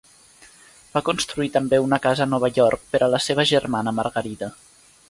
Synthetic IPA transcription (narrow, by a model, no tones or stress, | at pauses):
bakunst̪ɾuit̪əmbeunəkazəːnɔβ̞əʎɔrk̚pəɾʔələseβəʒərmanəmərɣəɾiðə